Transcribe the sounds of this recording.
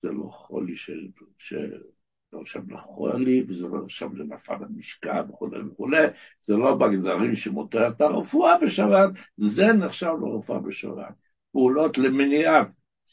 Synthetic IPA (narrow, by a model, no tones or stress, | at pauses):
z̥elo̞̰χo̰liʃeʃḛ | neχʃavleχolivezelo̰neχʃavlenafa̰lamiʃka̰veχulḛjveχulej | z̥elo̞baɡzaʁimʃemoteʁet̪aʁḛfuabeʃabat̪zeneχʃavlḛʁefua̰beʃa̰ba̰t̪̚ | peulo̞t̪lemeniat